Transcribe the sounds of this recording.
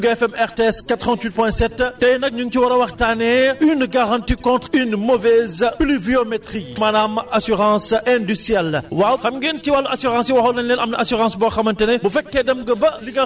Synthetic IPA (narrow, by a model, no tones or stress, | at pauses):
ɡɛfɛmɛʁteɛskatʁɑ̃ntwit̚pwɛ̃sɛtːtɐjnɐk̚ɲuŋkiwɐɾɐwɐxtanɛynɡaʁɑ̃ntikɔ̃ːntχynmɔvɛzpliviomɛtχimɐnamasyʁɑ̃ːsɛ̃dystiɛlwawxɐmɡenkiwalːɐasyʁɑ̃siwɐxɐwnɐnlɛːnɐmnɐasyʁɑ̃ːsbɔxɐmɐntɛnɛbufɛkːɛdɐmɡɐbɐliɡɐ